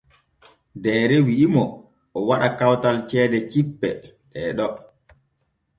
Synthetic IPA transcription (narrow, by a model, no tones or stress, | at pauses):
dɛːɾɛwiʔimɔ | ɔwaɗakawtalt͡ʃɛːdɛt͡ʃipːɛɗɛɗɔ